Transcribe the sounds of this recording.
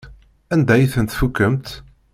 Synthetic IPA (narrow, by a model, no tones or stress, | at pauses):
ænd̪æjiθənt̪fukːəmt̪